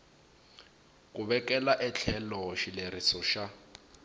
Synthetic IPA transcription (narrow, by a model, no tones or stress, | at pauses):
kʼuβɛkɛlaʔɛt͡ɬʰɛlɔʃileɾisɔʃa